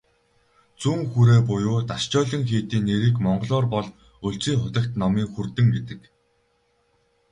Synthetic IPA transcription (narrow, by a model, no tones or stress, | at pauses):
t͡suŋxuɾeːpʊjʊːt̪aʃt͡ɕɔːɮə̆ŋxiːt̪iːnːeɾiːkmɔɴɢ̆ɮɔːrpɔɮ | ɵɮt͡siːŋχʊt̪ə̆kt̪nɔmiːŋxurt̪ɘ̆ŋɡet̪ɘ̆k